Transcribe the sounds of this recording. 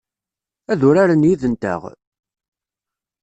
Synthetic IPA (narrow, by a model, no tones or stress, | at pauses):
æðʊɾaɾanjiðənt̪ə̰ʁ